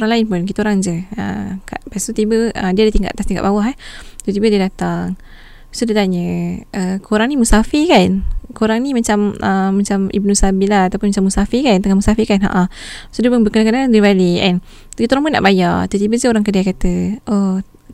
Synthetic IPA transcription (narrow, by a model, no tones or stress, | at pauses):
ɾaŋlaɪnpʊnk̬it̪oɾaŋd͡ʒəə̰ka̰ʔpast̪ut̪ibəə̰diədaht̪iŋɡa̰ʔt̪ast̪iŋɡa̰ʔbawaɦɛht̪ut̪ibədiədat̪aŋ | sodit̪aɲəʔəkoɾaŋnimusafikankoɾaŋnimat͡ʃaməːat͡ʃamḭb̚nusabilahat̪awpʊnmat͡ʃamusafikant̪əŋahmusafikanɦa̰ʔasodiəpunbəkənakanadivaliɛ̰n | kit̪oɾaŋpʊnːa̰ʔbajat̪ut̪ibəd͡ʒəoɾaŋkədaakat̪əʔo